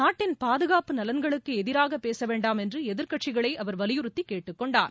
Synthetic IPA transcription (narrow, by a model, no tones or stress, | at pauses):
naːʈːɪnpaːðɯɣaːpɯnɐlɐnɡɐɭɯkːɯɛðɪɾaːɣɐpːeːsɐʋeːɳɖaːmɛndrɯɛðɪɾkɐʈt͡ʃɪɣɐɭɐɪʔɐʋɐɾʋɐlɪjɯɾɯt̪ːikːeːʈːɯkːɔɳɖaːɾ